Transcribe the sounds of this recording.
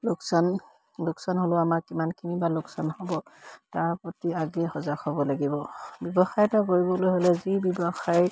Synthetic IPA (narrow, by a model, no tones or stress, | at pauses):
lʊksan | lʊksɔnɦolʊamaɹkimankʰinibalʊksɔnhɔbɔtaɹpotiaɡɛhɔzakʰɔbɔlaɡibɔbɔbɔxajtakoɹibɔlojɦolɛzibɔbɔxaj